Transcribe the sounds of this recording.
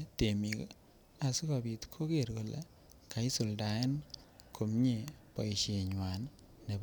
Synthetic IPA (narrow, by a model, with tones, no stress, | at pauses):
te˨mi˨k | a˨si˦ka˨bi˨t̪kʰo˦ke˦˨ɾko˨lḛ˨ | kʰa˨i˦su˨lda˨e˦nkʰo˨mɲe˦˨pɔ˨i˨ʃe˨ɲwa˨nː | e˨b